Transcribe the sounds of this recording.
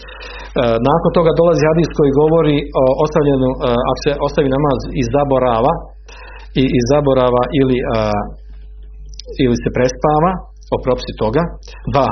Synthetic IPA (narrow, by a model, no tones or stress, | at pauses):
naːkont̪o̞ɡad̪o̞lˠazihad̪iskojiɡo̞ʋo̞ɾioost̪aʋʎenua̰koseʔo̞st̪aʋinamaːzizabo̞ɾaːʋa | iizabo̞ɾaːʋaʔili | ilise̞pɾe̞spaːʋa | opɾopi̥sit̪o̞ɡa | d̪ʋa